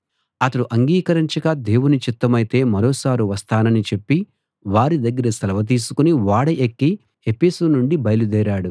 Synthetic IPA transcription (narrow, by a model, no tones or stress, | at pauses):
ɐt̪ɐɽuʔɐŋɡiːkɐɾiɲt͡ʃɐkad̪e̞ːwunit͡ʃit̪ːɐmɐjit̪e̞ːmɐɾoːsaːɾuʋɐst̪ʰaːnɐnit͡ʃe̞pːi | ʋaːɾid̪ɐɡːɐɾɐsɐlɐʋɐt̪̬iːsu̥kuniʋaːɽɐʔekːi | epeːsuːnuɳɖibɐjɐlud̪ɛːɾaːɽu